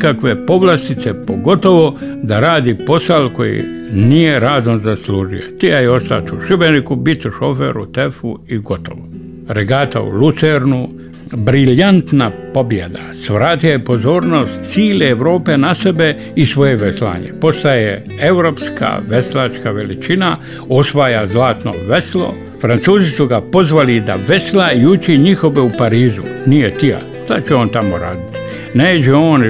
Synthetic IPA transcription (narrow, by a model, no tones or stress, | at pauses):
kakʋe̞po̞ʋlast̪it̪sepoɡo̞t̪o̞ʋod̪aɾaːd̪ipo̞salko̞jḭnijeɾaːd̪onzasluːʒujḛt̪ijajo̞st̪a̰t̪uʃibenikubit̪uʃofḛɾṵt̪efuiɡo̞t̪o̰ʋo | ɾeɡaːt̪a̰ṵlut̪seɾnu | bɾiʎant̪napo̞bjed̪a̰sʋɾaːt̪ilajepo̞zo̞ːɾnost̪t̪siːleːʋɾo̞ːpenase̞be | isʋo̞je̞ʋesla̰ːɲḛpo̞st̪ae | eʋɾoːpskʰa̰ːʋe̞slat͡ʃkaʋelit͡ʃina | o̞sʋajazlaːt̪no̰ʋe̞slˠo̞̰ | fɾant̪suːzisuɡapo̞zʋalid̪a̰ʋe̞slaiut͡ʃiɲixo̞ʋeupaɾiːzunijet̪ia̰ | ʃt̪at͡ʃɛoːnt̪amo̰ɾa̰ːd̪it̪i̥ | neːd͡ʒeoːn